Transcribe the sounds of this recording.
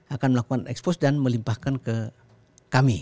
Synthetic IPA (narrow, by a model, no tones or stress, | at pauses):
akanməlakukanʔɛ̰kspɔsdanməlimpahkankə | kami